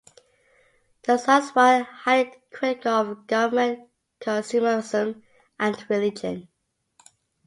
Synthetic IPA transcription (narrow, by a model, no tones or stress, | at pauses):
ðəsaswahaɪdkʰɹ̥ɪtɪkɔvɡ̥ʌvəmə̃n | kʰə̃nsʉməzə̃m | ʔæ̃nɹɪlɪd͡ʒə̰̃n